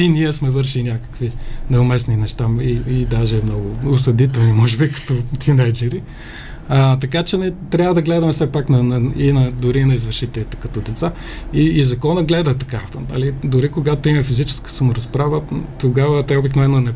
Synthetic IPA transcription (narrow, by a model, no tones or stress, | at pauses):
iniɛsmɛvɤɾʃilinʲakə̥kvinɛʊmɛsninɛʃt̪aiːd̪aʒɛmnɔɡʊʊsɐd̪it̪ɛlˠnimɔʒɛbikɐ̥t̪ɔt̪ʲinajd͡ʒɛɾi | ət̪ɐkat͡ʃɛnɛt̪ɾʲavəd̪ɐɡlɛd̪ɐmɛsɛpaknɐnɐinɐd̪ʊɾinɐizvəɾʃit̪ɛlʲit̪ɛ̥kɐt̪ɔd̪ɛt̪sa | iːzɐkɔnɐɡlɛd̪ət̪ɐkanɐ̰lid̪ʊɾikoɡat̪oimɐfizit͡ʃɛ̥skə̥sɐmʊɾɐspɾavət̪oɡavət̪ɛobiknovɛnonɛ